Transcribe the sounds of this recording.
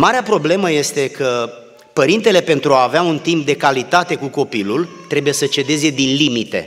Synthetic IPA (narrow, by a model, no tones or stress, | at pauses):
maɾeapɾo̞ble̞məje̞st̪e̞kə | pəɾint̪e̞le̞pe̞nt̪ɾuaːveaunt̪imp̚d̪e̞kalit̪at̪e̞kuko̞pilult̪ɾe̞buje̞sət͡ʃe̞d̪e̞ze̞d̪inlimit̪e̞̰